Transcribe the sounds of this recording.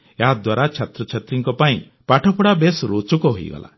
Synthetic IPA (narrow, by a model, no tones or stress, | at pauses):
jɦad̪waɾat͡ʃʰat̪ɾɔt͡ʃʰat̪ɾiŋkɔpaĩ | paʈʰɔpʰɔɽabesɾut͡ʃukɔɦoj̰ɡɔ̰lʔa̰